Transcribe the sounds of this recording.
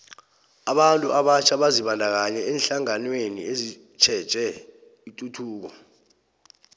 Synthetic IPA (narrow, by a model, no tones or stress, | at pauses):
aɓantʼṵʔaɓat͡ʃʰaɓaziɓandʱak̬aɲɛɛːnɬaŋanwenḭezi | t͡ʃʰɛd̥ʒ̥ʱɛ | itʼutʰuːk̬ɔ